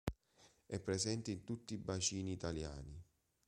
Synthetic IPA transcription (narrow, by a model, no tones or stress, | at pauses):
ɛpːɾɛzɛnt̪eint̪ut̪ːiːbat͡ʃiːniːt̪alja̰ːni